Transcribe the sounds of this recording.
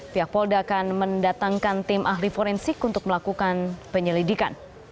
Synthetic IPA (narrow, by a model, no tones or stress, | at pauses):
piak̚pɔldaːkanməndat̪aŋkant̪ɪmʔaɦlifoɾɛnsɪkunt̪ʊk̚məlakukanpəɲəlidikan